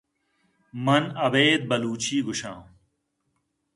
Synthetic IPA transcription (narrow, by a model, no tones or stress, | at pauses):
mɐnɐbeːd̪̚bɐluːt͡ɕʰiːɡuɕã̰ː